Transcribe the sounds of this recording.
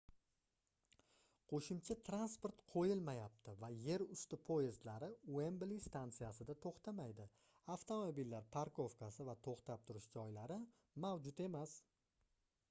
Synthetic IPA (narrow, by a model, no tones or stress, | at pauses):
qʰoʃɪmt͡ʃʰat̪ʰɾanspo̞ɾt̪qʰojɪlmajap̚t̪ʰɪvaje̞ɾʊst̪ɪpʰoɪzt̪laɾɪwemblist̪ʰant̪sijasɪd̪at̪ʰoχt̪ʰamajd̪ɪ | aft̪ʰo̞mobilːaɾpʰaɾkʰo̞fkʰasɪvat̪ʰoχt̪ʰap̚t̪ʰʊɾɪʃd͡ʒɒjlaɾɪ | mawd͡ʒʊt̪e̞mas